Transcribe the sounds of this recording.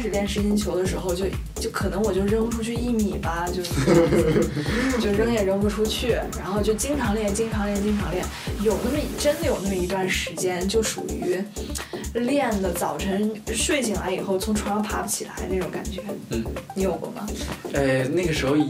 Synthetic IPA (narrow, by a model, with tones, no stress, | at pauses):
ʂɻ̩˨˩ljɛ˥˩nʂɻ̩˧˥ɕi˥nt͡ɕʰjo˧˥ʊd̪ə˧ʂ̬ɻ̩˧˥xo˧ʊt͡ɕjo˥˧ʊ | t͡ɕjo˥˩ʊkʰɤ˨˩nɤ˧˥ŋwɔ˨˩t͡ɕjo˥˧ʂɻɻɤ˥ŋu˥˧ʈ͡ʂʰu˥t͡ɕʰy˥˧i˥˧mi˨˩bɐ˩t͡ɕjo˥˧˥t͡ɕjo˥˧ʊɻɤ˥ŋjɛ˥˩ɻə˥ŋpu˧˩ʈ͡ʂʰu˥t͡ɕʰy˥˩ɻa˧˥nxo˥˧ʊt͡ɕjo˥˩ʊt͡ɕi˥ŋʈ͡ʂʰɑ˧˥ŋljɛ˥˩nt͡ɕi˥ŋʈ͡ʂʰɑ˧˥ŋljɛ˥˩nt͡ɕi˥ŋʈ͡ʂʰɑ˧˥ŋljɛ˥˩njo˨˩ʊnə˥˩mə˩˨˩ʈ͡ʂə˥nd̪ə˨jo˨˩ʊna˥˩mə˩i˧˥t̪wa˥˩nʂɻ̩˧˥t͡ɕjɛ˥nt͡ɕjo˥˩ʊʂṵ˨˩y˧˥ | ljɛ˥˩nd̪ə˩t͡sɑ˨˩ʊʈ͡ʂʰə˧˥ŋʂwe˥˩ɪɕʰi˨˩ŋla̰˧˥ɪi˨˩xo˥˩ʊt͡sʰʊ˧˥ŋʈ͡ʂʰwŋ˥pʰa̰˧˥pə˥˩t͡ɕʰi˨˩la̰˧˥ɪna˥˩ʈ͡ʂʊ˨˧˥ŋka̰˨˩nt͡ɕɥɛ˧˥˩ni˧˥jo˨˩ʊɡ̪ə̰˧˥mɐ̰˩e˥˩ɪna˥˩ɡə˩ʂɻ̩˧˥xo˧ʊ˩